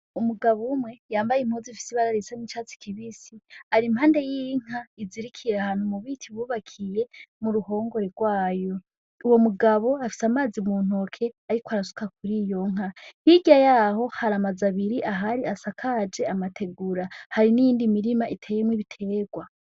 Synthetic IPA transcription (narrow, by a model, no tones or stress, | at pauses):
umuɡaβumwe̞jaːmbajem̥hozifi̥siβaɾaɾisanit͡ʃaːt͡si̥kʰiβisiaɾimhaːnde̞jiŋ̥aiziɾikʰijeahaːn̥humuβitʰiβuːβakʰije̞muɾuɦo̞ːŋɡo̞ɾeɡwaːjo̞ | uwo̞muɡaβo̞afi̥samaːzimuːn̥o̞kʰe̞aɾikoaɾasu̥kak̚uɾijo̞ŋ̥ɦahiɡajaho̞haɾamazaβiɾiʔaɦaɾiasakʰad͡ʒe̞amatʰe̞ɡuɾahaɾinijiːndimiɾimaʔitʰe̞ːjemwiβitʰe̞ːɡwa